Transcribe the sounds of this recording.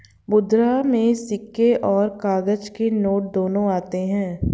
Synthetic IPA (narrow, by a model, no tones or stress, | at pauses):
bʊd̪ɾamẽsɪkːeʔɔːɾkaːɡəd͡ʒkenoːʈ̚d̪oːnõaːt̪eɦɛ̃ː